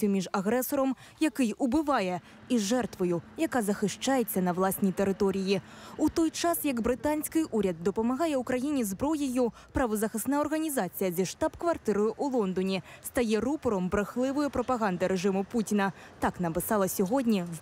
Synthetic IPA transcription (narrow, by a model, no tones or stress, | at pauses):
sʲjumʲiʐaɣɾɛsɔɾɐm | jakɨjʔubɨvajɛ | iʐɛrt̪vɐjujakazɐxɨʂt͡ʂajɛt̪sʲːɐnɐwlˠasʲnʲɐjt̪ɛɾɨt̪ɔɾʲɨji | ut̪ɔjt͡ʂasjɐɡbɾɨt̪anʲsʲkɨjʔuɾʲɐd̪̚d̪ɐpɐmaɣajɛwkɾajinʲɛzbɾɔjɐju | pɾɐvɐzɐxɐsnajɐrɣɐnʲizat̪sʲɨjɐd͡zʲɛʂt̪apkvart̪ɨɾɨjuʔulˠɔnd̪ɔnʲɛst̪ajɛrupɔɾɔmbɾɨxlˠɨvɐjupɾɐpaɣand̪ɐɾɛʐɨmuput͡sʲinɐt̪aknɐpɨsalˠɐsʲuɣɔd̪ʲnʲi